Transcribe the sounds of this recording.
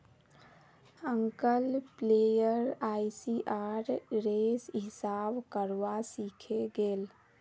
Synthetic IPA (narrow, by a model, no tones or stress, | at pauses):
əŋkəlpleːjəɾaːisiʔaːɾɾeːsɦɪsaːbkəɾwasikʰeɡeːl